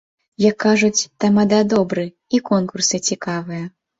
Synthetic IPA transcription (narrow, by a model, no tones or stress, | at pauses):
jɐkːaʐut͡sʲt̪amad̪ad̪ɔbɾɨ | ikɔnkursɨt͡sʲikavɨjɐ